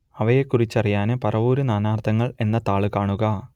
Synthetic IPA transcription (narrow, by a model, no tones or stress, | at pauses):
ɐʋɐjekːurit͡ɕːɐrijaːnɨpɐrɐʋuːɾunaːnaːrt̪ʰɐŋːɐɭe̞nːɐt̪aːɭɨkaːɳuɣɐ